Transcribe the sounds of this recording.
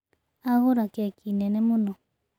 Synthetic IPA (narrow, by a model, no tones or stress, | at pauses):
aɣoɾakakʰinɛnɛmunɔ